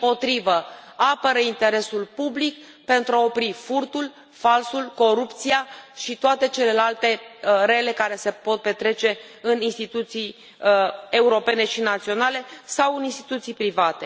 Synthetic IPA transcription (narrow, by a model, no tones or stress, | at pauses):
po̞t̪ɾivəapəɾəint̪e̞ɾe̞sulpublik | pe̞nt̪ɾuao̞pɾifurt̪ul | falsulko̞ɾupt̪sijaʃit̪oat̪e̞t͡ʃe̞le̞lalt̪e̞ɾe̞le̞kaɾe̞se̞po̞t̪̚pe̞t̪ɾe̞t͡ʃe̞ɨninst̪it̪ut̪sij | e̞uɾo̞pe̞ne̞ʃinat̪sio̞nale̞sawɨninst̪i̥t̪ut̪sijpɾivat̪e̞